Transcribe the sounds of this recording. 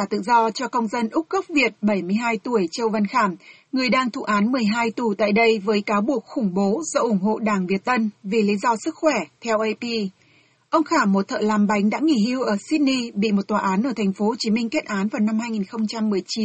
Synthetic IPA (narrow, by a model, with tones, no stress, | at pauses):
kaː˧˩t̪ɨ̰˧˨zɔ˧t͡ɕɔ˧kə˧wŋ͡mzə˧nʔʊ˦˥k͡p̚ɣə˦˥p̚vi˨˩ət̚ɓə˧˩jmɨ˧əjɦaː˧jt̪u˧˩əjt͡ɕə˧wvə˧˩nxaː˧˩m | ŋɨ˨˩əjɗaː˧ŋt̪ʰṵ˧˨˩ʔaː˨˦nmɨ˨˩əjɦaː˧jt̪u˨˩t̪a̰ː˧˨jɗə˧jvəː˨˦jkaː˨˦wɓu˨˩ək̚xʊ˧˩ŋ͡mɓo˨˦zɔ̰˧ʔʊ˧˩ŋ͡mɦo̰˧˨ɗaː˧˩ŋvi˨˩ət̚t̪ə˧nvi˨˩li˨˦zɔ˧sɨ˦˥k̚xwɛ˧˩t̪ʰɛ˧wʔə˧jpi˧ | ʔə˧wŋ͡mxaː˧˩mːo˨˩t̚t̪ʰə̰ː˧˨laː˨˩mɓa˨˦jŋ̟ɗa̰ː˧˥ŋi˧˩hi˧əwʔəː˧˩si˦˥t̚ni˧ɓḭ˧˨mo˨˩t̚t̪waː˨ʔaː˨˦nʔəː˧˩t̪ʰɛ˨˩ŋ̟fo˨˦ho˨˩t͡ɕi˨˦mï˧ŋ̟ke˦˥t̚ʔaː˨˦nvaː˨˩wna˧mhaː˧jŋi˨˩nxə˧wŋ͡mt͡ɕa˧mːɨ˨˩əjt͡ɕi˨˦